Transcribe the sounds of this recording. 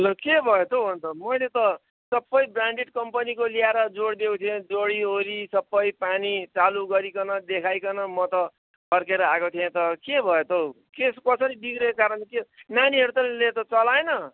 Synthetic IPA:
ʌlokebʱʌjet̪ʰoɦont̪ʰʌmʌjlet̪ʌ | sʌbːʌjbraɳɖiʈkʌmpʌnikoliaɾʌd͡zoɽd̪ekut̪ʰiẽd͡zoɽiɦoɾisʌbːʌjpanit͡saluɡʌɾikʌnʌd̪ekʰajkʌnʌmʌt̪ʌ | bʌrkeɾʌaɡot̪ʰiẽt̪ʌkebʱʌjet̪ʰo | keskʌsʌɾid̪iɡɾekkaɾʌnkenaniɦʌɾut̪ʌlelet̪ʌt͡sʌlaenʌ

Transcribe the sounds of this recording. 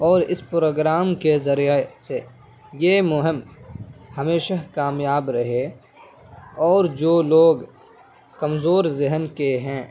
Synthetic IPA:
ɔːɾɪspɾoːɡɾaːmkezɐɾijəse | jeːmʊɦɪm | hɐmeːʃaɦkaːmjaːbɾɐɦe | ɔːɾd͡ʒoːloːɡ | kɐmzoːɾzɪɦənkeɦɛ̃ː

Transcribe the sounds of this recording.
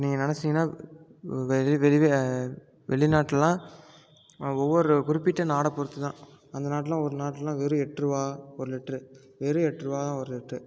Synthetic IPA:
niːŋɡɐnɐnɛt͡ʃːɪŋɡɐnːaː | ʋɛɪʋɛɭɪʋeː | ʋɛɭɪnaːʈːlɐlãː | ɔʋːɔɾɯkʊɾɪpːɪʈːɐnaːɽɐpɔɾɯt̪ːɯt̪ãː | ɐnd̪ɐnaːʈːɐlãːɔɾɯnaːʈːlɐlãːʋeːɾɯ̃ɛʈɾɯʋaːɔɾɯlɛʈːɾɯ | ʋeːɾɯ̃ɛʈːrɯʋaːt̪ãːɔɾɯlɛʈrɯ

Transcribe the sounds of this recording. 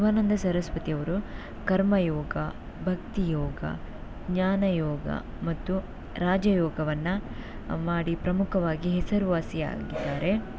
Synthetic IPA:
ʋaːnɐnd̪ʱɐsɐɾɐsʋɐt̪ijɐʋɐɾu | kɐɾmɐjɔːɡɐ | bʱɐkt̪ijɔːɡɐ̰ | ɡɲaːnɐjɔːɡɐ̰ | mɐt̪ːu | ɾaːd͡ʒɐjɔːɡɐʋɐnːɐ | maːɽipɾɐmukʰɐʋaːɡiɦɛsɐɾuʋaːsia̰ːɡid̪ːaːɾe̞

